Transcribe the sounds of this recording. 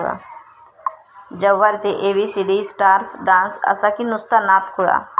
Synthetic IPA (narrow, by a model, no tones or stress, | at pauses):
ja̰ | d͡ʒəʋːəɾd͡ʒeʔeːbisiɖisʈaːɾsɖãːnsə̰sakinʊst̪anaːt̪kʊja̰